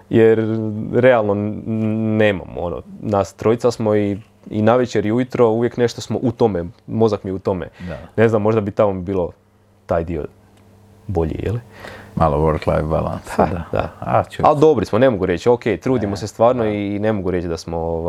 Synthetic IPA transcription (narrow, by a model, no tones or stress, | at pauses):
jeɾɾealˠno | neːma̰mo̞̰no̰nast̪ɾo̞jt̪sasmo̞i | inaʋet͡ɕeɾiujut̪ɾo̞uʋjekne̞ʃt̪osmoʔut̪o̞memo̞zakmijeut̪o̞mḛane̞znamːo̞ʒd̪abit̪amobiːlˠo̞ | t̪aːjd̪io̞̰ | bo̞ʎḭjḛlimalˠoʋoɾklˠa̰jvba̰la̰nsa̰ad̪a̰aald̪o̞bɾismone̞moɡuɾe̞t͡ɕoke̞jt̪ɾuːd̪imosest̪ʋaːɾno̞ine̞moɡuɾe̞t͡ʃd̪asmo̞o